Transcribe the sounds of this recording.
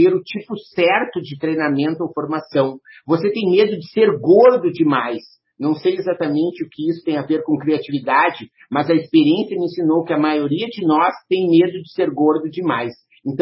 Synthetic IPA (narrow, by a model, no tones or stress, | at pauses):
eɾʊt͡ʃipʊsɛɾt̪ʊd͡ʒɪt̪ɾejnamẽnt̪ʊowfoɾmasɐ̃w̃voset̪ẽj̃med̪ʊd͡ʒɪseɾɡoɾd̪ʊd͡ʒɪmajs | nɐ̃w̃sejezat̪ɐmẽnt͡ʃɪʊkɪisʊ̥t̪ẽj̃aveɾkõkɾiat͡ʃivid̪ad͡ʒɪ | mɐzɐespeɾiẽsjɐmɪĩsinowkɪɐmajoɾiɐd͡ʒɪnɔst̪ẽj̃med̪ʊd͡ʒɪseɾɡoɾd̪ʊd͡ʒɪmajs | ẽnt̪ɐ̃